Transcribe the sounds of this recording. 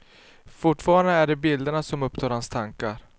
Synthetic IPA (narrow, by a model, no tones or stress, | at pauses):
fʊʈfɑːɾand̪əæɖɛbɪld̪əɳasɔmɵpt̪ʰɑːɾhanst̪ʰaŋkaɾ